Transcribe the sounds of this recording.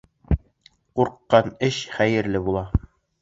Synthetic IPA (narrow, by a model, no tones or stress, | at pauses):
quɾqːɑnɘɕχæjɘ̆ɾlɘbulˠɑ